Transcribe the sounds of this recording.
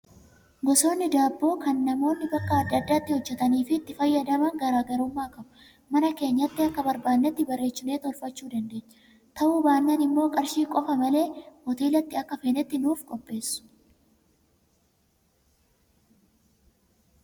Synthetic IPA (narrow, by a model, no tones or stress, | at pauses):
ɡɔso̞ːnːɪd̪aːbːoːkɐnːɐmo̞ːnːɪbɐkːɐɐd̪ːɐd̪ːaːt̪ːɪhɔd͡ʒːɛt̪ɐniːfɪːt̪ːɪfɐjːɐd̪ɐmɐŋɡɐɾaːɡɐɾʊmːaːkɐbʊ | mɐnɐke̞ːɲːɐt̪ːɪɐkːɐbɐɾbaːnːɛt̪ːɪbɐrːe̞ːt͡ʃːɪneːt̪ɔlfɐt͡ʃːuːd̪ɐnd̪e̞ːɲːɐ̥ | t̪ɐʔubaːnːɐnɪmːo̞ːkʼɐɾʃiːkʼɔfɐmɐle̞ːmɔt̪iːlɐt̪ːɪɐkːɐfeːnɛt̪ːɪnuːfkʼɔpʼːe̞ːsːʊ̥